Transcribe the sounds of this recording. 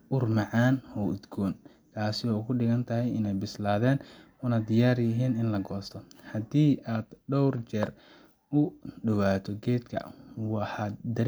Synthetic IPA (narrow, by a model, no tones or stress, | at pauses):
ʔʊrmɑʕɑːnhɔd̪ɡɔːn | kʰaːsɪɔːkʰʊɖɪɣɐnt̪ʰɐɦɛjɪnɛjbɪslaːðɛːn | ʊnɐd̪ɪjaːrjɪɦiːnɪnlɐɡɔːst̪ʰɔhɐd̪iːʔaːd̪̥ɖɔwrt͡ʃɛr | ʊɖʊwaːt̪ʰɔɡɛːd̪kʰɐ̰wɑħɑd̪ɐɾ